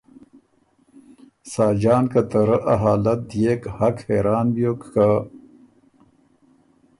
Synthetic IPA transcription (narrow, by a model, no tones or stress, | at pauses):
saːd͡ʑaːnkat̪əɾəʔɐɦaːlɐt̪̚jeːkhɐkheːɾaːnbijoːkka